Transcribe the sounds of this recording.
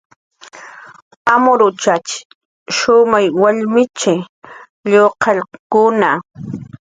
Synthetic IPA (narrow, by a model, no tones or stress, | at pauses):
amʊɾʊt͡ʃat͡ʃɪ̥ | ʃʊmajwaʎmɪt͡ʃɪ | ʎoqʰɑʎkʊna